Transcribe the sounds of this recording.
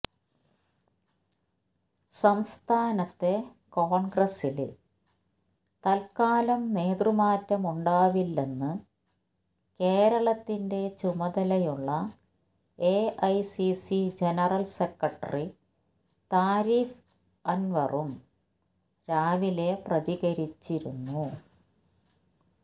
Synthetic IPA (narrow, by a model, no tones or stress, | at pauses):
sɐmst̪ʰaːnɐt̪ːe̞ | koːɳɡrɐsil | t̪ɐlkaːlɐmːeːt̪rɨmaːtːɐmuɳɖaːʋilːe̞nːɨ | ke̞ːɾɐɭɐt̪ːinde̞t͡ɕumɐðɐlɐjuɭːɐ | eʔɐjsisid͡ʑenɐrɐlsekːɐʈːɐ̰ri | t̪aːɾiːf | ɐnʋɐ̰rum | ɾaːʋile̞prɐðiɣɐɾit͡ɕːiɾunːu